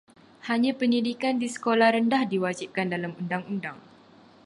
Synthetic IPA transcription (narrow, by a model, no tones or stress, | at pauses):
haɲãpəndidikandisə̥kolahɾəndahdiwad͡ʒip̚kandalamundaŋundaŋ